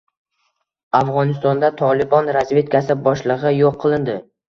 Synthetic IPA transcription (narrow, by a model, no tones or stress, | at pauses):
afʁɒnɪst̪ɒnd̪at̪ʰɒlˠɪbɒnɾazvʲe̞t̪kʰʲasɪbɒʃlˠɨʁɨjoqʰːɨlˠɪnd̪ɪ